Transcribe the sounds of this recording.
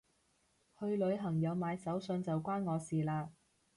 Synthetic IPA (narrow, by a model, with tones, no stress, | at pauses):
hɵ˧ɥlɵ˨˧ɥɦɐ˨˩ŋjɐ˨˧wmaː˨˧jsɐ˨˥wsɵ˧nt͡sɐ˨wkʷaː˥nŋɔː˨˧siː˨laː˧